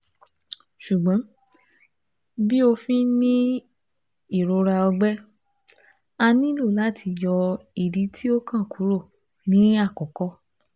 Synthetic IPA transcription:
ʃu˨ɡ͡bã˨˦ | bi˦o˧fĩ˦nĩ˦ | i˦˨ɾo˧˦ɾa˧ɔ˧ɡ͡bɛ˦ | a˧nĩ˦lo˦˨la˦˨tʰi˧jɔ˧i˨di˨˦tʰi˦o˦kã˦˨ku˨˦ɾo˦˨ | nĩ˨˦a˦˨kɔ˨kɔ˦

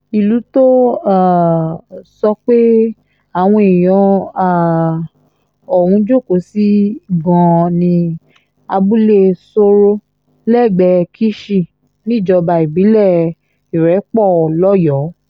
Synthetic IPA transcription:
i˨lu˨˦to˦a˦˨ | sɔ˧k͡pe˦ | a˨w̃ɔ̃˧i˨j̃ɔ̃˨˧a˨ | ɔ˨hũ˧˦d͡ʒo˦˨ko˨˦si˦ɡɔ̃˨˧nĩ˧ | a˧bu˦le˦˧so˧ɾo˦ | lɛ˦˨ɡ͡bɛ˧kʰi˦ʃi˦˨ | nĩ˦˨d͡ʒɔ˧ba˧i˨bi˨˦lɛ˦˨ | i˨ɾɛ˨˦k͡pɔ˦˨lɔ˦jɔ˨˦

